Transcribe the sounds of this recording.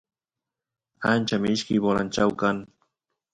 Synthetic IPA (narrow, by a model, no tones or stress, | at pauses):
ant͡ʃamɪɪʃkɪjbolant͡ʃawkaŋ